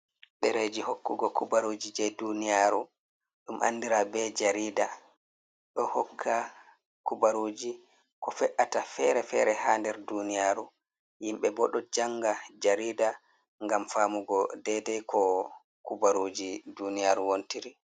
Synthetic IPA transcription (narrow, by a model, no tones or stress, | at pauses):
ɗɛɾed͡ʒihokːuɡɔkubaɾoːd͡ʒid͡ʒɛdunijaɾu | ɗumʔa̰nːdiɾabɛd͡ʒaɾiːda | ɗɔhɔkʰːa | kubaɾoːd͡ʒi | kɔfɛʔatafɛɾɛfɛɾɛhaːndɛɾdunijaɾu | jimɓɛbɔɗɔd͡ʒaŋɡad͡ʒaɾiːda | ŋɡamfaːmuɡɔdɛdɛjkʰɔ | kubaɾod͡ʒidunijaɾuwontiɾi